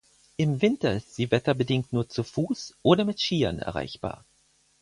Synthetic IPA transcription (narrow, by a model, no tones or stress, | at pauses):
ʔɪmvɪntɐɪstz̥iːvɛtɐbədɪŋk̚tnuːɐt͡sufuːsʔoːɾɐmɪtʃiːɐnɛ̰ɐʁ̞a̰ɪçb̥a̰ːɐ